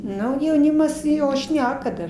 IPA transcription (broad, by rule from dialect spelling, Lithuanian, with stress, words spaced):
ˈnʊ jɛʊˈnʲɪmɐs ˈjoː ˈʃʲnʲæːkɐ dɐr